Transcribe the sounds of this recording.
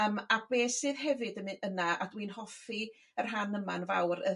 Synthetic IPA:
əmabeːsɨðɦɛvɨdəmɨənaa̰dwiːnɦɔfi | ər̥ɦanəmanva̰wɾə

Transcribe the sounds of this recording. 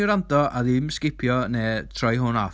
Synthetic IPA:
ɪɾandɔʔaðɪmskɪpʰjɔneːtʰrɔjɦʊnaf

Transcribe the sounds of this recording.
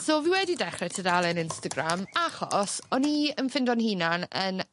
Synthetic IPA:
soːviwɛdidɛχrɛtʰədalˠɛnɪnstəɡramaχɔ̰sɔniənfɪndɔnhiːnanən

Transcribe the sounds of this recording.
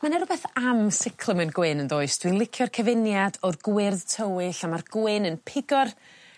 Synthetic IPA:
manɛɾʊbɛθamsɪkʰlˠəmɛnɡwɪnəndoːɨsd̥winlˠɪkʰjɔrkʰɛvɪnjadɔrɡwɪrðtʰəwɪɬamarɡ̥wɪːnənpʰɪɡɔr

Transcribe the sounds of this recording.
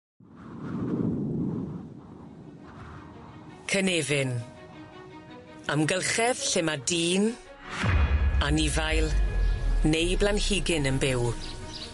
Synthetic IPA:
kʰəneːvɪn | amɡəlˠχɛð̥ɬɪmadiːn | anɪvajlˠ | nejblˠanhɪɡɪnənbɪw

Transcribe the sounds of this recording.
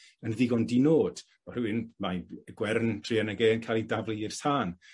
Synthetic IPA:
ənðiɡɔndinoːd̥ | ɔɾwɪnmaɡ̥wɛrntʰriənəɡeːənkʰajlˠidavliɪr̥sʰaːn

